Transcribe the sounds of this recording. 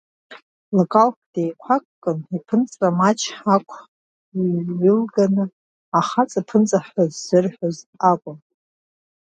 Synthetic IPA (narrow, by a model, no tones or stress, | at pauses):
lokʼalkd̥ejkʷʰakʼkʼːɨnipʰɨnt͡sʼamat͡ʃʰħakʷʰ | ɥɨlɡanɨ | aχat͡sʼapʰɨnt͡sʼaħozːɨrħozakʷʼʊm